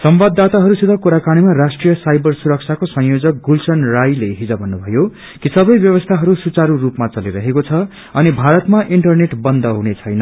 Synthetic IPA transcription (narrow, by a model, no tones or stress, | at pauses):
sʌmbad̪ːat̪aɦʌɾusid̪ʱʌkuɾakaɽ̃imaɾasʈrijʌsajbʌrsuɾʌk̚t͡sʰakosʌ̃ŋ̃jod͡zʌk̚ɡulsʌnrajleɦid͡zʌbʱʌnːubʱʌjo | kisʌbʌjbjʌβʌst̪ʰaɦʌɾusut͡saɾurupmat͡sʌliɾʌɦekot͡sʰʌ | ʌnibʱaɾʌt̪maʔiɳʈʌrneʈbʌnd̪ʱʌɦunet͡sʰʌjnʌ